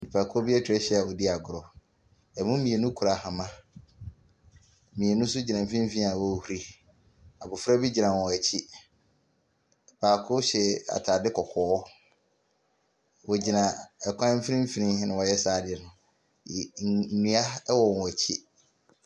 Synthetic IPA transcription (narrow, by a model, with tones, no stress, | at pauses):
ti˨pʰa˨kʰʊ˦ɔ˦bi˦ɛ˦tʰᶣɛ˦ɕɛ˦a˨wɔ˨di˦a˨ɡʊ˨ɾɔ˨ | ɛ˨mũ˦mĩ˨e˨nũ˦kʰɾa˨hã˨mã˦ | mĩ˨e˨nũ˦sʊ˦d͡ʑi˨nã˨m̩˨fi˦ĩ˦fi˦nĩ˦a˨wɔ˦˨˦hu˨ɾi˨ | a˨bʊ˨fɾa˦bi˦d͡ʑi˨nã˨ɔ̃˨ɛ˨t͡ɕʰi˦˨ | pʰaː˨kʰʊ˦ɕɛ˨a̰˨tʰaː˨dɪ˦kʰɔ˨kʰɔː˨˦ | wɔ˨d͡ʑi˨nã˨ɛ˨kʷʰã˦m̩˦fɾĩ˦m̩˦fi˦nĩ˦nɪ̃˨wɔ˨jɛ˦saː˨dɪ˦˨ɛ˨nʊ̃˨˦˨ | nĩ˦a˦wɔ˨n˨wɔ˨t͡ɕʰi˦